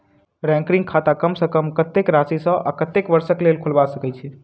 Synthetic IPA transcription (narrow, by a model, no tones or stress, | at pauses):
ɾɛ̃ŋkɾĩŋɡkʰat̪akəmsə̃kəmkət̪ːekɾasisə̃a̰kət̪ːekbəɾsəklelkʰulbasəkɛt͡ʃʰɛ